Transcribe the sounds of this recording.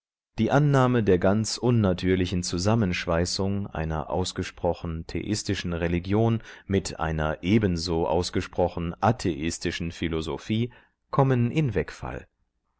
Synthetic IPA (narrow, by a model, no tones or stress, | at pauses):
d̥iːʔanːaːmədeːɐɡant͡sʔʊnːatʰyːɐlɪçn̩t͡suzamənʃv̥aɪsʊŋʔa̰ɪnɐ̰ʔa̰ʊsɡ̥əʃpʁ̥ɔχn̩tʰḛʔɪstɪʃn̩ʁeliɡjoːnmɪtʰʔa̰ɪnɐ̰ʔeːbənzoːʔa̰ʊsɡ̥əʃpʁ̥ɔχn̩ʔatʰeʔɪstɪʃn̩filozo̰fiː | kʰɔmənʔɪnvɛkfa̰l